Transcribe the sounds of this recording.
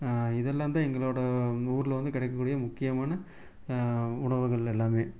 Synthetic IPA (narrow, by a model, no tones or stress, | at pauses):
ɪðɛlːaːntd̪ãːɛŋɡɐɭoːɽɐuːɾɪlɐʋɐnd̪ɯkɪɽɛɪkːɐkːuːɽɪjɐmʊkːɪjɐmaːnɐ | ʊɳɐʋɯɣɐɭɛlːaːmeː